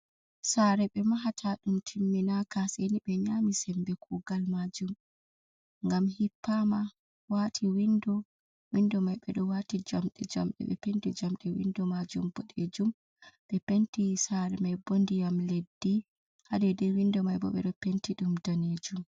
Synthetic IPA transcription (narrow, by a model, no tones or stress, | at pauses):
saːɾɛɓɛmaɦatʰaɗumtʰimːinakasɛniɓɛɲamisɛmbɛkʰuɡalmad͡ʒum | ŋɡamhipːama | watʰiwindɔ | windɔmajɓɛ̰ɗɔwatid͡ʒamɗɛd͡ʒamɗɛ̰ɓɛ̰pentid͡ʒamɗɛwḭndɔmad͡ʒumbɔɗed͡ʒum | ɓɛpentisaɾɛmajbondijamledːi | hadɛdɛwindɔmajbɔ̰ɓɛ̰ɗɔpentiɗumdaned͡ʒum